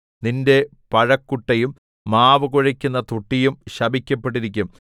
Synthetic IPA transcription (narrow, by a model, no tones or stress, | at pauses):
ninde̞ | pɐɻɐkːuʈːɐjumː | aːʋɐɣuɻɐkʲːunːɐt̪uʈːijumɕɐbʱikʲːɐpːe̞ʈ̬ːiɾikʲːum